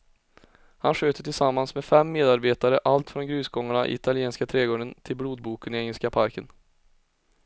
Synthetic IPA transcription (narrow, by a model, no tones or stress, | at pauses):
hanɧøːt̪əʈʰɪlsamːansmɛfɛmːeːd̪aɾbeːt̪aɾəʔalt̪fɾɔnɡɾʉ̟ːsɡɔŋːaɳaʔɪ̰ɪt̪ʰalɪeːnskat̪ʰɾɛːɡoːɖənt̪ʰɪlbluːd̪̚buːkənɪɛŋːəlskapʰaɾkən